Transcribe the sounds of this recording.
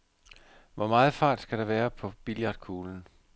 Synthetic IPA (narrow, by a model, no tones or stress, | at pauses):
ʋɒmɑ̈ːð̞̩ˠfɑ̈ːd̥sɡ̥æɾ̥ɑ̈ʋæːɐpʰɒ̽b̥iljɑ̈d̥̚kʰuːln̩